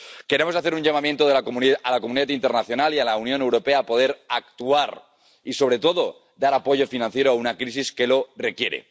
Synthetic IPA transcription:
ke̞ɾe̞mo̞saθeɾuɲʝamamje̞nt̪oðelakomunalakomuniðat̪int̪e̞ɾnaθjo̞nalialaunjo̞ne̞wɾo̞peapo̞ð̞e̞ɾak̚t̪uaɾ | iso̞β̞ɾe̞t̪o̞ðo | d̪aɾapo̞ʝo̞finãnθje̞ɾoaunakɾis̬iske̞lo̞re̞kje̞ɾḛ

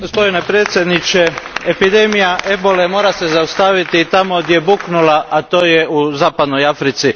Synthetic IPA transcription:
ɡospo̞d̪inepɾet̪sʲjed̪nit͡ʃe̞epid̪e̞ːmijaʔebo̞le̞mo̞ːɾase̞zaust̪aʋit̪it̪amod̪je̞buːknulaʔat̪o̞ːjeuzaːpad̪no̞jafɾit̪si

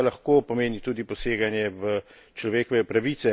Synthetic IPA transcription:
lɐxkoːpɔmeːnit̪uːd̪ipɔseːɡanjɛʋə | t͡ʃlɔʋeːkɔʋɛpɾaʋiːt̪sɛ

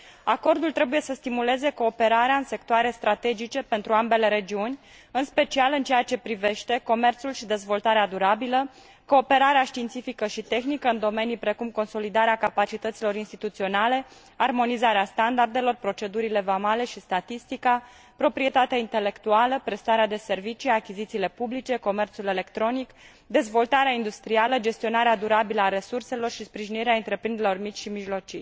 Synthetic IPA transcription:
ako̞rd̪ult̪ɾe̞buje̞səst̪imule̞ze̞ko̞ːpe̞ɾaɾeaɨnse̞kt̪oaɾe̞st̪ɾat̪e̞d͡ʒit͡ʃe̞pe̞nt̪ɾuambe̞le̞ɾe̞d͡ʒiunʲ | ɨnspe̞t͡ʃialɨnt͡ʃejat͡ʃe̞pɾive̞ʃt̪e̞ko̞me̞rt̪sulʃid̪e̞zvo̞lt̪aɾead̪uɾabilə | ko̞ːpe̞ɾaɾeaʃt̪iːnt̪sifikəʃit̪e̞xnikəɨnd̪o̞me̞nijpɾe̞kumko̞nso̞lid̪aɾeakapat͡ʃit̪ət̪silo̞ɾinst̪it̪ut̪sio̞nale̞ | armo̞nizaɾeast̪and̪ard̪e̞lo̞rpɾo̞t͡ʃe̞d̪uɾile̞vamale̞ʃist̪at̪ist̪ika | pɾo̞pɾie̞t̪at̪eaint̪e̞le̞kt̪ualəpɾe̞st̪aɾead̪e̞se̞rvit͡ʃiakʲizit̪siːle̞publit͡ʃe̞ko̞me̞rt̪sule̞le̞kt̪ɾo̞nik | d̪e̞zvo̞lt̪aɾeaind̪ust̪ɾialəd͡ʒe̞st̪io̞naɾead̪uɾabiləaɾe̞surse̞lo̞rʃispɾiʒiniɾeaɨnt̪ɾe̞pɾind̪eɾelo̞rmit͡ʃʲʃimiʒlo̞t͡ʃij

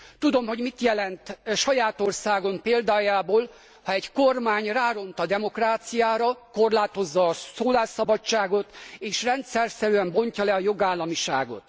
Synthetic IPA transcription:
t̪ud̪o̞mho̞ɟmit̪jɛlɛnt̪ʃɒjaːt̪o̞rsaːɡo̞mpeːld̪aːjaːboːl | hɒɛɟko̞rmaːɲraːɾo̞nt̪ɒd̪ɛmo̞kraːt̪sijaːɾɒko̞rlaːt̪o̞zːɒːsoːlaːʃɒbɒt͡ʃt͡ʃːaːɡo̞t̪eːʃrɛnt̪sɛrsɛɾyɛmbo̞ɲcɒlɛɒjo̞ɡaːlːɒmiʃa̰ːɡo̞̰t̪

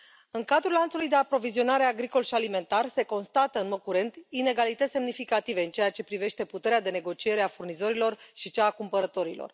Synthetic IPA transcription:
ɨŋkad̪ɾulːant̪sulujd̪e̞apɾo̞vizio̞naɾe̞aɡɾiko̞lʃialime̞nt̪arse̞ko̞nst̪at̪əɨnmo̞d̪̚kuɾe̞nt̪ine̞ɡalit̪ət̪se̞mnifikat̪ive̞ɨnt͡ʃe̞jat͡ʃe̞pɾive̞ʃt̪e̞put̪e̞ɾead̪e̞ne̞ɡo̞t͡ʃie̞ɾeafurnizo̞ɾilo̞rʃit͡ʃaːkumpəɾət̪o̞ɾilo̞̰r

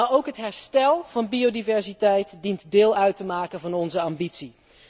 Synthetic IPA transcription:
aowkɦətɦɛɹstɛlˠvɑnbiodivɛɹzitɛjtdintdɪːlˠœɥtəmaːkənvɑnɔnzəɑmbitsi

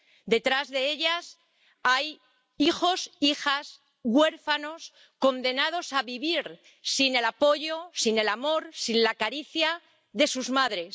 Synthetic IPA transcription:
d̪e̞t̪ɾazðe̞e̞ʎas | aj | ixo̞sixas | ɣwe̞ɾfano̞s | ko̞nd̪e̞nað̞o̞saβiβiɾ | sine̞lapo̞ʝo̞sine̞lamo̞ɾsinlakaɾiθja | ðe̞suzmaðɾe̞s

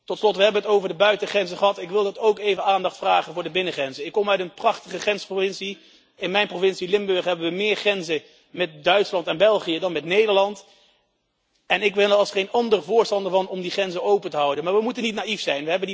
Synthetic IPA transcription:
tɔtslɔtʋəɦɛbənətowvəɹdəbœɥtəχrɛnzəχəɦɑtɪkʋɪlˠdɑtowkejvənaːndɑχtfraːχənvʊːɹdəbɪnəχrɛnzəɪkːɔmœɥtənprɑχtəχəχɛnsprovɪnsi | ɪnmɛjnprovɪnsilɪmbøɹχɦɛbənʋəmɪːɹχrɛnzə | mɛt̚dœɥtslɑntɛnbɛlˠχijədɑnmɛtnejdəɹlɑnt | ɛnɪkʋɪnəɑlˠsχejnɑndərəvʊːɹstɑndəɹvɑnɔmdiχrɛnzəowpəntəɦɑwdənmaːɹʋəmutənitnaifsɛjnʋəɦɛbəndi

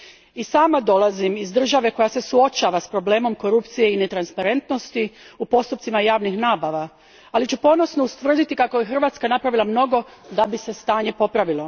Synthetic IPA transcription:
isaːmad̪o̞lˠazimizd̪r̩ʒaʋe̞ko̞jase̞suo̞t͡ʃaʋaspɾo̞ble̞ːmo̞mko̞ɾupt̪sije̞ine̞t̪ɾanspaɾe̞nt̪no̞st̪iupo̞st̪up̪̚simajaːʋnixnaːbaʋa | alit͡ɕupo̞no̞snoust̪ʋr̩d̪it̪ikako̞jexr̩ʋaːt̪skanapɾaʋilˠamno̞ɡo̞d̪abise̞st̪aːɲe̞po̞pɾaʋilo̞

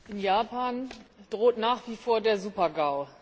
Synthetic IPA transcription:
ʔɪnjaːpaːnd̥ʁoːtnaːχv̥iːfoːɐdeːɐzuːpɐɡaʊ

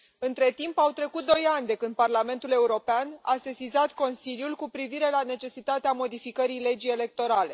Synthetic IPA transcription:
ɨnt̪ɾe̞t̪impawt̪ɾe̞kut̪̚d̪o̞janʲd̪e̞kɨnd̪̚parlame̞nt̪ule̞uɾo̞peana̰se̞sizat̪ko̞nsiljulkupɾiviɾe̞lane̞t͡ʃe̞sit̪at̪eamo̞d̪ifikəɾijle̞d͡ʒije̞le̞k̚t̪o̞ɾale̞̰

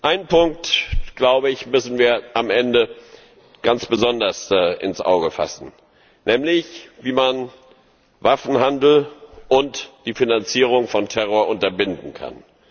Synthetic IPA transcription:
ʔaɪnpʰʊŋk̚tɡ̥laʊbəɪçmʏsn̩viːɐʔamʔɛndə | ɡ̥ant͡sb̥əzɔndɐsɪ̰nsʔa̰ʊɡəfa̰sn̩ | nʔɛːmlɪçviːman | vafn̩handl̩ʔʊntd̥iːfinant͡siːʁ̞ʊŋfɔntʰɛʁoːɐʔʊntɐbɪndn̩kʰa̰n

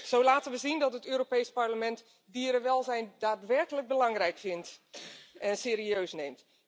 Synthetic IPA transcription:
z̥owlaːtənʋəzindɔtətøːɾopejsparləmɛnt | diəɾəʋɛlˠzɛjndaːtʋɛrkələk̚bəlɑŋrɛjkfɪnt | ʔɛnseːɾiøːsnejmt

